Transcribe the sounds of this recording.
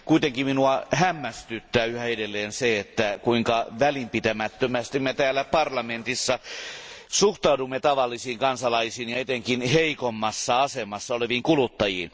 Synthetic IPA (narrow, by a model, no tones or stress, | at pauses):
kuit̪eŋkimminuɑhæmːæst̪yt̪ːæːyhæedelːeːnseet̪ːækuiŋkɑʋælimpit̪æmæt̪ːømæst̪immet̪æːlːæpɑrlɑment̪isːɑ | suht̪ɑudumːet̪ɑʋɑlːisiːŋkɑnsɑlɑisiːnjɑet̪eŋkinheikomːɑsːɑɑsemɑsːɑoleʋiːŋkulut̪ːɑjḭːn